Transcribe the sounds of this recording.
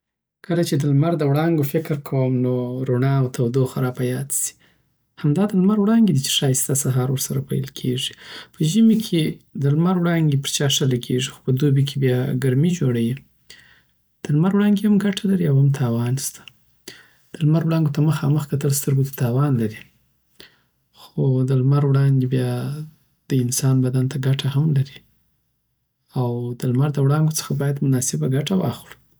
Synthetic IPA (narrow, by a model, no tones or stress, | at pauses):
kəlat͡ʃed̪əlmaɾd̪əwɽɑŋɡofɪkɾkʰawəmnoɾonɑwt̪awd̪oxaɾɑpajɑd̪si̥ | hamd̪ɑd̪əlmaɾwɽɑŋɡed̪it͡ʃe̥ʂɑjst̪asaɦɑɾwəɾsaɾapa̰jlkʰeʐipəʒəmekʰed̪əlmaɾwɽɑŋɡepəɾt͡ʃɑʂəlaɡeʐixo̥pəd̪obik̬ʰebjɑɡaɾmid͡ʒoɽaji | d̪̥əlmaɾwɽɑŋɡehamɡaʈʰalaɾiawhamt̪ʰɑwɑnst̪ḁ | d̪̥əlmaɾwɽɑŋɡot̪aməxɑməxk̪at̪əlst̪əɾɡot̪ḁt̪ɑwɑnlaɾi | xod̪əlmaɾwɽɑnd̪ebjɑ | d̪̥əɪnsɑnbad̪ant̪ʰaɡaʈʰahamlaɾi | awd̪̥əlmaɾd̪əwɽɑŋɡot͡sə̥xabɑjad̪mʊnɑsɪbaɡaʈawɑ̰xɽu̥